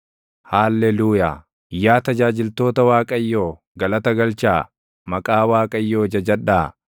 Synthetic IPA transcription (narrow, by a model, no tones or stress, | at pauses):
haːlːɛluːja̰ː | ɪjːaːt̪ɐd͡ʒaːd͡ʒɪlt̪o̞ːt̪ɐwaːkʼɐjːoː | ɡɐlɐt̪ɐɡɐlt͡ʃaː | mɐkʼaːwaːkʼɐjːoːd͡ʒɐd͡ʒɐᶑːaː